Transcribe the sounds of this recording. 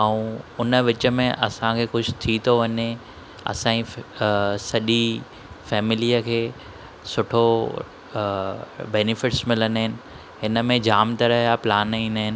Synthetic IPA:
aũʊnəʋɪt͡ɕə̆mẽʔɐsãkʰeːkʊd͡ʑʰʊ̥t̪ʰit̪ʰoʋɐɲe | ɐ̰sãĩ | sɐʄi | fɛːmɪliəkʰeː | sʊʈʰo | bɛːnɪfɪʈsmɪlənəɦɪnɪ̆ | ɦɪnə̆mẽd͡ʑaːmt̪ɐɾɐɦjaplaːnĩːnəɦɪnɪ̆

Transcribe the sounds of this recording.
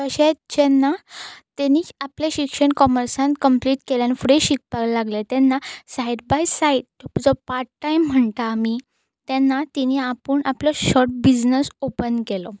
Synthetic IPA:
t̪əɕet̪d͡ʑɛnːat̪eniaplaɕikʂəɳkɔməɾsãnkəmpliːʈkeljanifɽeɕik̚paɡlaɡlet̪ɛnːasaiɖbajsaiʈd͡zɔpaɾʈʈajm̤ːəɳt̪ami | t̪ɛnːat̪iniapəɳʔaplɔɕɔɾʈ̚bid͡znəsopənkelɔ

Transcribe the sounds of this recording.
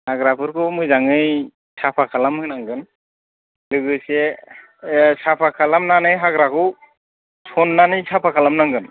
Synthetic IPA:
haɡɾapɯɾkɯmɯjzaŋɯj | sapʰakʰalamhɯnaŋɡɯn | lɯɡɯsɛ | sapʰakʰalamnanɯjɦaɡɾakɯw | sʰɔnːanɯjsʰapʰakʰalamnaŋɡɯn

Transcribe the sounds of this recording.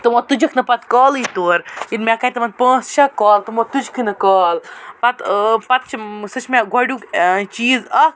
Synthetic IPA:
t̪ɨmot̪ud͡ʒɐkʰnɐpɐt̪kɔːlɨt̪oːɾinmʲakɐjt̪ɐmɐnd̪̚pə̃ːst͡ʃɐkaːlt̪ɐmot̪ud͡ʒkʰɨnɐkɔːlpɐt̪pɐt̪̚t͡ʃʰsɨt͡ʃʰmʲaɡʱɔɽʲuːkt͡ʃiːzɐ

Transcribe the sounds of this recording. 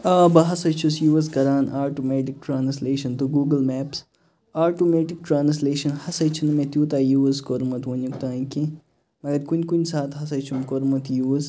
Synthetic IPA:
aːbɐɦɐsɐt͡ʃʰusjuːɐs̬kɐɾaːnaːʈoːmeːʈik̚ʈɾaːnsleːʃɐnt̪uɡuːɡəlmɛːps | aːʈomeːʈik̚ʈɾaːns̬leːʃɐnhɐsɐt͡ʃʰunmẽt̪juːt̪aːjuːɐskoɾmɐt̪ʋɐnuk̚t̪ãːĩkẽ | mɐɡɐɾkunʲkunʲsaːt̪ɦɐsɐt͡ʃʰumkoɾmɐt̪juːs

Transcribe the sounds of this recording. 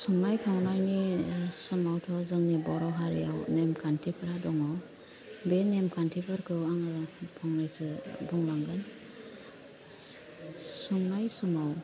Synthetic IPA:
suŋnajtʰawnajnisɯmawtʰɔzɯŋnibɔɾɔɦalijawnemkʰantʰipʰɯɾadɔŋaw | benemkʰantʰipʰɯɾkʰɯwaŋɯpʰɔŋnajsɯbuŋlaŋɡɯn | suŋnajsumaw

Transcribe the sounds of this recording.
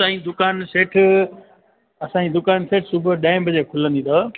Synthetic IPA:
ãːid̪ʊkaːnseːʈʰ | ɐsãɲd͡ʑid̪ʊkaːnseːʈʰsubʱə̆ɗãːɪ̃mbʱɐd͡ʑekʰʊlə̃nd̪ĩt̪ʰo

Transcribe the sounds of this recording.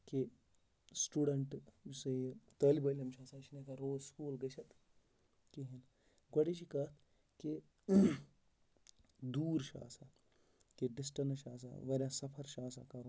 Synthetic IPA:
ke | sʈuːɖɐɳʈsɐt̪əːlibɐːlʲɐmt͡ʃʰaːsaːt͡ʃʰinekaɾoːzskuːlɡɐt͡ʃʰɐt̪ʰ | kiɦin | ɡɐɽit͡ʃʰikɐːt̪ʰ | ke | d̪uːɾʃa̰ːsa | keɖɪsʈɐnʃa̰ːsa̰ʋɐɾʲjãːsɐpʰɐɾʃaːsa̰kɐɾu

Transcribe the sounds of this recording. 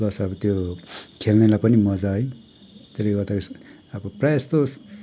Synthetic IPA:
ʌsʌbʌt̪jokʰelnʌlapʌnimʌd͡zaj | t̪eleɡʌt̪aks | ʌbʌprast̪os

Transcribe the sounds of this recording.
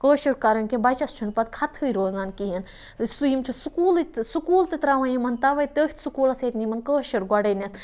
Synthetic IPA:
kəːʃiɾkɐɾɐnkʲebɐt͡ʃɐst͡ʃʰunpɐt̪̚kʰɐt̪ʰɨjɾoːzaːnkijɐn | ɨsujimt͡ʃʰusukuːlt̪sukuːlt̪ɨt̪ɾaʋɐjimɐnt̪ɐʋɐjt̪əːhʲt̪ʰsukuːlɐseːt̪nimɐnkəːʃiɾɡʷɐɽɐjnʲɐt̪ʰ

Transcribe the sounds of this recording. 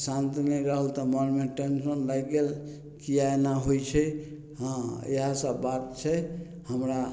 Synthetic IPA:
sãnt̪inɛɾəɦəlt̪ɔməɾmeʈensənlajɡel | kiaenaɦojt͡ʃʰɛ | ɦə̃ḛɦãsəbbat̪̚t͡ʃʰɛ | həmɾa

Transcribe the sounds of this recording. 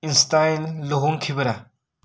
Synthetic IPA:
inst̪ajnloɦoŋkʰibɾa

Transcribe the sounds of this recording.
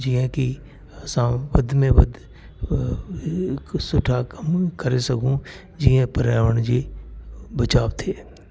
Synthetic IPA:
d͡ʒiə̃ki | ɐsãʋɐd̪ʱmẽʋɐd̪ʱ | sʊʈʰakɐmkɐɾesɐɡʱũ | d͡ʒiːə̃pɐɾjaːʋəɽ̃d͡ʒeː | bɐt͡ʃaːʋt̪ʰeː

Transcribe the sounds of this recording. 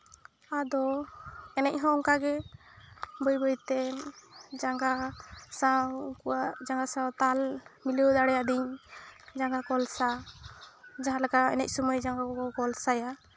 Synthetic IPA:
ad̪ɔɛnɛc̚ˀɦɔ̃ɔŋkaɡɛ | bɔjbəjt̪ɛnd͡ʒaŋɡasakuwad͡ʒaŋɡasãwt̪almiləwd̪aɽɛjad̪iɲd͡ʒaŋɡakɔlsa | d͡ʒaɦãlaɡaɛ̰nɛc̚sɔməjd͡ʒaŋɡakɔkɔlsaja

